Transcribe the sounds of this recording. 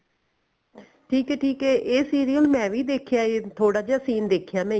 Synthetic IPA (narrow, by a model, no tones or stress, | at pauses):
ʈʰiːkɛːʈʰiːkɛːʔeːsiːɾiːjəlmɛ̃ːʋiːd̪eːkʰjaːet̪ʰoːɽaːd͡ʒaːsiːnd̪eːkʰjaːmɛ̃ː